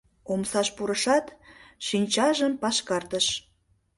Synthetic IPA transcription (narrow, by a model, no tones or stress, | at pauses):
omsɑʃpuɾəʃɑt̪ʃinʲt͡ɕɑʒəmpɑʃkɑrt̪əʃ